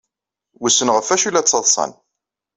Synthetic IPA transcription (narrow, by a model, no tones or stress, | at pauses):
wusːənʁəfæʃilæt͡sːəðˤsˤɑ̰n